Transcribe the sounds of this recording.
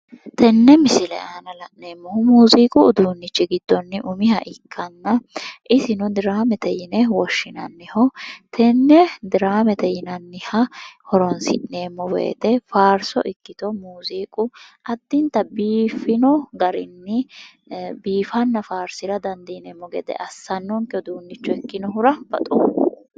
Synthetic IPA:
t̪ɛnːɛmɪsɪlɛ̰ʔaːnɐlɐʔneːmːɔhʊmuːziːkʼʊːd̪uːnːɪt͡ʃːɪɡɪd̪ːɔnːɪʔʊmɪhɐ̰ʔɪkʰːɐnːɐʔɪsɪnɔd̪ɪɾaːmɛt̪ɛjɪnɛwɔʃːɪnɐnːɪhɔt̪ʰɛnːɛd̪ɪɾaːmɛt̪ɛjɪnɐnːɪhɐhɔɾɔnsɪ̰ʔneːmːɔwḛːt̪ɛfaːɾsɔ̰ʔɪkːɪt̪ɔmuːziːkʼʊʔɐd̪ːɪnt̪ɐbiːfɪnɔɡɐɾɪnːɪ | biːfɐnːɐfaːɾsɪɾɐd̪ɐnd̪iːnɛːmːɔɡɛ̰d̪ɛ̰ʔɐsːɐnːɔŋkɪɔd̪uːnːɪt͡ʃːɔɛkːɪnɔɦʊɾɐb̥ɐt̪ʼɔ̰

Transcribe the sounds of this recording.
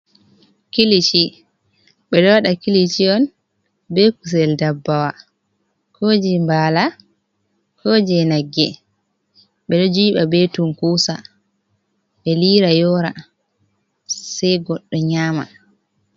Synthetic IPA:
kilit͡ʃi | ɓɛɗɔwaɗakilit͡ʃiɔn | bɛkus̬ɛldabːawa | kʰod͡ʒimbaːla | kʰoːd͡ʒɛnaɡːɛ | ɓɛɗɔd͡ʒiːɓabetumkuːsa | ɓɛliːɾajɔɾa | sɛjɡɔɗːɔɲaːma̰

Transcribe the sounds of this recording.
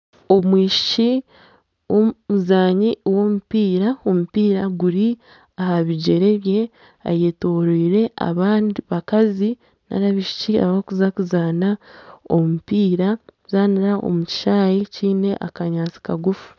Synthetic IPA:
o̞mwiːʃi̥t͡ʃi | womuzaːɲiwo̞mupiːɾao̞mupiːɾaɡuɾi | ahaβiɟe̞ɾe̞βje̞ | a̰jetoɾiːɾe̞a̰βaːndiβakazi | na̰ɾaβiʃi̥cia̰βakuzakuzaːnao̞̰mupiːɾazaːniɾaʔo̞̰muci̥ʃaːjeciːne̞ʔakaɲaːt͡si̥kaɡufu̥

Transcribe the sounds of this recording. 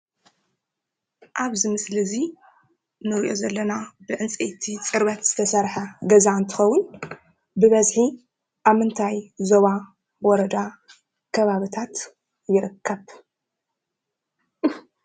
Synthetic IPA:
ʔaβzɨmɨslizi | nɨɾiʔo̞̰zɐlːɐnabɨʕɨnt͡sʼet̪ʰit͡sʼɨɾβɐt̪z̥ɨt̪ʰɐsɐɾħɐɡɐzaɨnt̪ʰɨxɐwːʊn | bɨβɐzħi | ʔaβmɨnt̪ʰajzo̞βa | wɔɾɐd̪a | kʰɐβaβit̪ʰat̪ | jɪɾɨkʰːɐβ

